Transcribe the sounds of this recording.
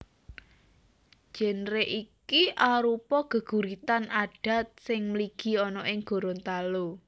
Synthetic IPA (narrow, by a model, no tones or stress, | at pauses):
ʒ̥ə̤nɾeʔikiʔaɾupɔɡ̥ə̤ɡ̥ṳɾit̪anaɖ̥a̤t̪̚sɪŋmliɡ̥i̤ɔnɔʔɪŋɡ̥o̤ɾont̪alo